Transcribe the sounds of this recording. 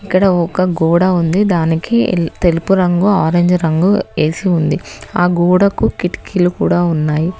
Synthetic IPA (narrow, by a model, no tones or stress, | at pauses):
ikːɐɽɐɔkɐɡuːɽɐund̪id̪aːnikḭt̪elupuɾɐŋɡuaːɾeɲd͡ʒɾɐŋɡueːsiund̪iaːɡuːɽɐkukiʈkʰilukuːɽaːunːaːji